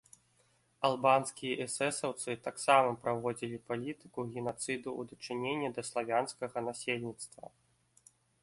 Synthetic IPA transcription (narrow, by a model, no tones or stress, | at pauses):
alˠbanskʲijɐʔɛsɛsɐwt̪sɨt̪aksamɐpɾavɔd͡zʲilʲipalʲit̪ɨ̥kuɣʲinat̪sɨd̪ṵːd̪ɐt͡ʂɨnʲenʲːɐd̪ɐslˠavʲanskɐɣɐnasʲelʲnʲit̪st̪vɐ̰